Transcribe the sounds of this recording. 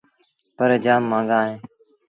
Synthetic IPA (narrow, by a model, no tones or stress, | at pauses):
pəɾd͡ʒaːmːãːŋɡaːɦẽː